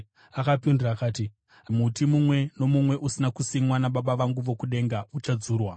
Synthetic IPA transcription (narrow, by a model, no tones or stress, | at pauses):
akapinduraːkaːti | ɦamutimumwe̞no̞mumwe̞ʔusinakusiŋwanaɓaɓaʋaŋɡuʋo̞kuɗe̞ŋɡaut͡ʃad͡zuːrwa